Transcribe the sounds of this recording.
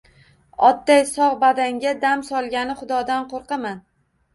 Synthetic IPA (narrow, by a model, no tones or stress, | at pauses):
ɒd̪ːajsɒʁbad̪aŋɡʲad̪amsɒlˠɡʲanɪχʊd̪ɒd̪anqʰoɾqɑman